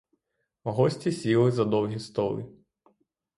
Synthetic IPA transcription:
ɔɦɔsʲtʲisʲilˠɪzɐd̪ɔwɦʲist̪ɔlˠɪ̰

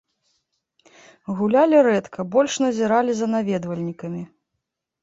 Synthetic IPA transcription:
ɣulʲalʲiɾɛt̪kʰɐbɔlʲʂnɐzʲiɾalʲizɐnavʲɛd̪vɐlʲnʲikɐmʲi

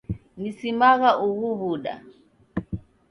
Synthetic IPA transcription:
nisimaɣaʔuɣuβuɗa̰

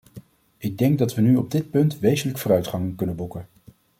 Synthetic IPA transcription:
ʔɪɡ̚dɛŋɡ̚dɑtʋənyɔb̚dɪt̚pɵntʋejzənləkfʊːɾœɥtχɑŋkɵnənbukən

